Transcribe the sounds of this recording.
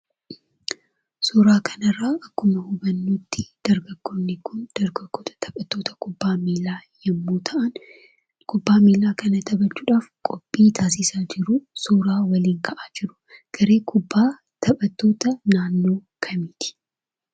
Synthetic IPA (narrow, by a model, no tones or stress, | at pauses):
suːɾaːkʰɐnɐrːaːʔɐkːʊmɐhʊbɐnːuːt̪ːɪd̪̥ɐɾɡɐɡ̥ːonːɪkːʊnd̪̥ɐɾɡɐɡ̥ːoːt̪ʰɐ̥t̪ʰɐbɐt̪ːo̞ːt̪ʰɐ̥kʊbːaːmiaːjɐmːuːt̪ʰɐʔɐn | kʰʊbːaːmiːlaːkɐnɐt̪ʰɐbɐt͡ʃːuːᶑaːfkʼɔpʼːiːt̪ʰaːsɪsaːd͡ʒɪɾʊsuːɾaːwɐliːŋkʰɐʔaːd͡ʒɪɾʊ̥ | ɡ̥ɐɾe̞ːkʰʊbːaː | t̪ʰɐbɐt̪ːo̞ːt̪ɐnaːnːo̞ːkʰɐmiːt̪ɪ̥